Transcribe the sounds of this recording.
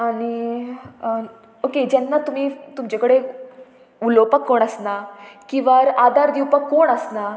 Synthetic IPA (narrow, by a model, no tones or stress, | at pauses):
aɽ̃i | oked͡ʑɛnːat̪um̤iːt̪umt͡ɕekəɽe | ulopəkːoɳəsnakĩʋaɾad̪ʱaɾd̪iwpəkːoːɳəsna